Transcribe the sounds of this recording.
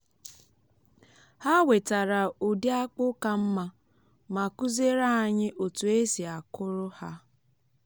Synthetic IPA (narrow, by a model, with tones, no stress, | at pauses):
ha˦we˨ta˨ɾa˨u˨di˦a˦k͡pʊ˦ka˦m̩˦ma˦ | ma˨ku˦ze˦ɾa˦˨ɲɪ˦ʔo˨tu˨e˦si˨a˨kʊ˦ɾʊ˦ha˦